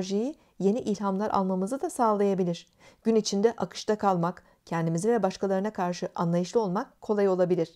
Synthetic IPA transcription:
ʒiji | je̞niʔilʲhamlˠaɾʔa̰lˠmamɯzɯd̪asaːlˠajabilʲiɾ̥ | ɟ̥ynit͡ʃʰind̪ɛʔakʰɯ̥ʃt̪ʰakʰalˠmak | cʰɛnd̪imizivɛbaʃkalˠaɾɯnakʰaɾʃɯʔanlˠajɯʃlˠɯo̞lˠmak̚kʰːo̞lˠajo̞lˠabilʲiɾ̥

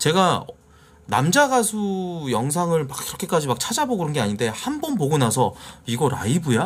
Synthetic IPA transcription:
t͡ɕe̞ɡa | na̰md͡ʑaɡasʰujʌŋs̬ʰaŋɯɭmakiɾʌkʰe̞k͈ad͡ʑimak̚t͡ɕʰad͡ʑaboɡɯɾʌnɡe̞aɲinde̞hambʌnpoɡonas̬ʰʌiɡʌɾa̰ibuja

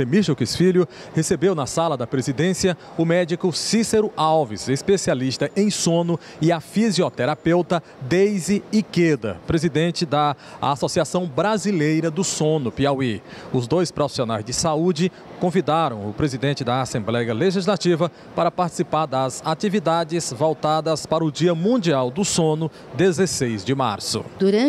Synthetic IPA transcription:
emiʃokisfiljʊ | hesebewnɐsalɐd̪ɐpɾezid̪ẽsiɐ | ʊmɛd͡ʒikʊsiseɾʊawvisespesialiʃt̪ɐʔẽj̃sõnʊ | ɪafiziɔt̪ɛɾapewt̪ɐ | d̪ejziiked̪ɐ̰pɾezid̪ẽnt͡ʃɪd̪ɐa̰sɔsiasɐ̃w̃bɾazilejɾɐd̪ʊsõnʊpeawi | ʊzd̪ojspɾɔfi̥sionajzd͡ʒɪsaud͡ʒɪ | kõvid̪aɾɐ̃w̃ʊpɾezid̪ẽnt͡ʃɪd̪ɐaːsẽmblɛjɐleʒizlat͡ʃivɐ | paɾɐpaɾt͡ʃi̥sipaɾd̪ɐzat͡ʃivid̪ad͡ʒɪzvɔwt̪ad̪ɐspaɾɐʊd͡ʒiɐmũd͡ʒiawd̪ʊsõnʊ | d̪ezesejzd͡ʒɪma̰ɾsʊ̰d̪uɾɐ̃

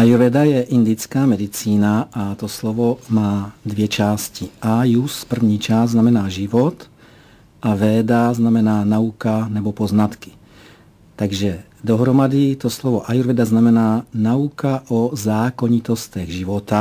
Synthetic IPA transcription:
ʔajuɾvɛd̪ajɛʔind̪it͡skaːmɛd̪it͡siːnaʔat̪oslovomaːd̪vjɛt͡ʃaːsciʔajuspr̩vɲiːt͡ʃaːsznamɛnaːʒivot̪ | ʔavɛːd̪aznamɛnaːnaukanɛbopoznat̪ki̥ | t̪aɡʒɛ | d̪oɦɾomad̪it̪oslɔvoʔajuɾvɛd̪aznamɛnaːnaukaʔozaːkoɲit̪ost̪ɛɣʒivot̪a

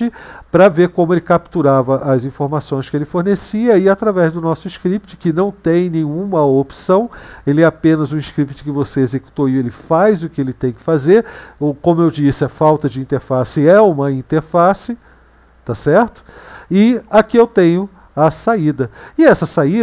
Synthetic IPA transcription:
ɪpɾɐveɾkõmʊelɪkap̚t̪uɾavɐʔɐzĩfoɾmasõj̃skɪelɪfoɾnesiɐɪat̪ɾavɛzd̪ʊnɔsʊɪʃkɾip̚t͡ʃɪ̥kɪnɐ̃w̃t̪ẽj̃nẽɲũmɐopsɐ̃w̃elɪɛapẽnɐzũiʃkɾipt͡ʃɪ̥kɪvoseezeku̥t̪oielɪfajzʊkɪelɪt̪ẽj̃kɪ̥fazeɾokõmʊewd͡ʒisɪɐfawt̪ɐd͡ʒɪĩnt̪eɾfasɪɛũmɐĩt̪eɾfasɪ | t̪asɛɾt̪ʊ̥ɪakɪewt̪ẽɲʊ | ɐsaid̪ɐɪɛsɐsai

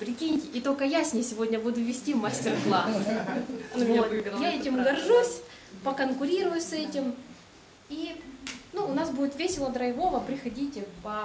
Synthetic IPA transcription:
pɾʲɪkʲinʲɪtʲɪʔit̪o̞lʲkəjasʲnʲɪjsʲɪvo̞dʲnʲəbud̪ʊvʲɪsʲtʲivmasʲtʲɪrplˠas | jaɛtʲɪmɡɐrʐusʲ | pəkənkʊɾʲiɾʊjʊsɛtʲɪm | inuːnasbudʲɪt̪vʲesʲɪlˠəd̪ɾɐjɪvo̞vəpɾʲɪxɐdʲitʲɪpɐ

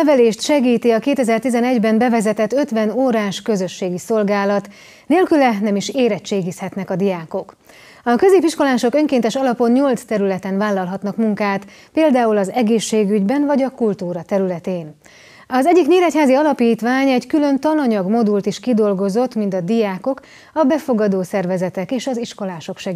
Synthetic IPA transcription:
ɛvɛleːʃt̪ʃɛɡiːt̪iɒkeːt̪ɛzɛrt̪izɛnɛɟbɛnbɛvɛzɛt̪ɛt̪ːø̞t̪ʋɛnoːɾaːʃkø̞zø̞ʃːeːɡiso̞lɡaːlɒt̪ | neːlkylɛnɛmiʃeːɾɛt͡ʃːeːɡishɛt̪nɛkɒd̪ijaːko̞k | ɒkø̞zeːpiʃko̞laːʃo̞kø̞ŋkeːnt̪ɛʃɒlɒpo̞nɲo̞lt̪st̪ɛɾylɛt̪ɛnvaːlːɒlɦɒt̪nɒkmuŋkaːt̪ | peːld̪aːulɒzɛɡeːʃːeːɡyɟbɛnvɒɟɒkult̪uːɾɒt̪ɛɾylɛt̪eːn | ɒzɛɟːikɲeːɾɛchaːziɒlɒpiːt̪ʋaːɲɛɟkylø̞nt̪ɒnɒɲɒɡmo̞d̪ult̪iʃkid̪o̞lɡo̞zo̞t̪mint̪ɒd̪ijaːko̞k | ɒbɛfo̞ɡɒd̪oːsɛrvɛzɛt̪ɛkeːʃɒziʃko̞laːʃo̞kʃɛɡ

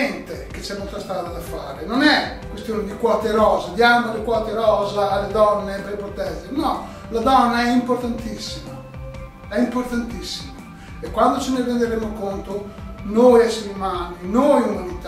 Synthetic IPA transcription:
ɛnt̪eket͡ʃɛmolt̪ast̪ɾaːd̪ad̪afaːɾenonɛ | kwest̪joːned̪ikwɔt̪eɾɔːzad̪jamolekwɔt̪eɾɔːzaːlːed̪ɔnːepepɾot̪ɛsenɔ | lad̪ɔnːaɛimpoɾt̪ant̪isːima | ɛimpoɾt̪ant̪isːima | ekwand̪ot͡ʃineɾend̪eɾemokont̪onojɛsːamumaːninojumanit̪a

